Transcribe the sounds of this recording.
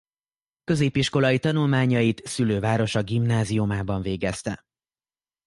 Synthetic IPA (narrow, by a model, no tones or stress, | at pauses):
kø̞zeːpiʃko̞lɒjit̪ɒnulmaːɲɒjit̪syløːvaːɾo̞ʃɒɡimnaːziumaːbɒɱveːɡɛst̪ɛ̰